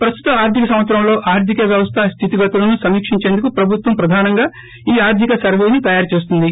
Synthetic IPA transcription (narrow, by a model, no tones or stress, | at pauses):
pɾɐst̪u̥t̪ɐmaːɾt̪ʰikɐsɐmʋɐsʰɾɐmlo̞ːʔaːɾt̪ʰikɐʋjɐʋɐst̪ʰɐst̪ʰit̪iɡɐt̪ulɐnusɐmiːkʂiɲt͡ʃeːnd̪ukupɾɐbʱut̪ʋɐmpɾɐd̪ʱaːnɐŋɡaː | iːaːɾt̪ʰikɐsɐɾʋe̞ːnit̪ɐjaːɾt͡ʃeːs̬t̪und̪i